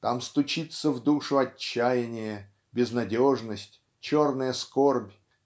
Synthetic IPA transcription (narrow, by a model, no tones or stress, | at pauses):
t̪amst̪ʊt͡ɕit̪səvd̪uʂʊɐt͡ɕːæjɪnʲɪjə | bʲɪznɐdʲoʐnəsʲtʲ | t͡ɕornəjəskorbʲ